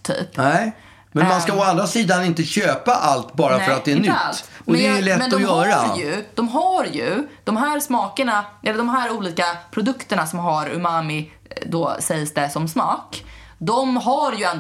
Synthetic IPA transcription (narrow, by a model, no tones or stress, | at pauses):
t̪ʰy̰ːpnɛ | mɛnmanskaɔand̪ɾasiːd̪anɪnt̪əɕøːpaʔalt̪bɑːɾafœɾat̪̚d̪ɛænʏatlːɔɛlɛtmɛnd̪ːɔjœhːaɾaɾjɵd̪̥ɔmɦaɾjɵ̰d̪̥ɔmɦæːɾsmɑːkəɳaʔɛlːəɖ̪ɔmɦæːɾuːliːkapʰɾʊd̪ɵkt̪əɳasɔmɦaɾɵ̰mamɪ | d̪osɛjsd̪ɛsɔmsmɑːk | d̪ɔmɦaɾjɵɛnd̪